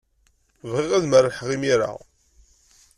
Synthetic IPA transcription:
vʁiʁæðməɾħʁimiɾa̰

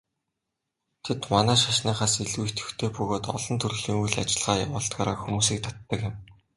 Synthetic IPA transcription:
t̪ʰet̪manæːʃaʃniːχaːseɮwuːxt̪ɵ̥̆xt̪ʰeːpɵɣoːt̪ɔ̰ɮɞ̆nt̪ʰɵrɣɮiːŋujɮat͡ɕɪ̆ɮʁ̥aːja̰wʊːɬt̪̚ɡaːɾa̰ːxumuːs̬iːk̚t̪ʰat̪ːə̆kɪ̆m

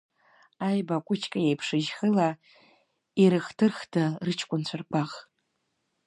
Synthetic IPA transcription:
ajbakʷʼʊt͡ʃʰkʼajejpʰʂɨʒχəla | iɾɨχtʰɨrχtʰarɨt͡ʃʰkʷʼʊnt͡ɕʷʰarkʷʰaχ

